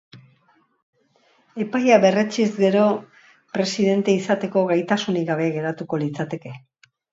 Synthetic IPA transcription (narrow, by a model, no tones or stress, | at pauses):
e̞pajaβe̞re̞t͡ʃizɡe̞ɾo̞ | pɾe̞siðe̞nt̪e̞isat̪e̞ko̞ɣajt̪asuniɡaβ̞e̞ɣe̞ɾat̪uko̞lit͡sat̪e̞ke̞